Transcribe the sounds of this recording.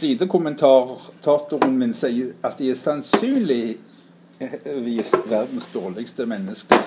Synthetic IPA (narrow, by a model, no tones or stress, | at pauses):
sliːd̪əkʰʊmənt̪ʰɑːʁt̪ʰɑːt̪ʊʁənmɪnsæɪəɑt̪̚d̪ɪæsɑnsyːnlɪ | ʋiːsʋæʁd̪n̩sd̪oːʁlɪɡst̪əmɛnːəskə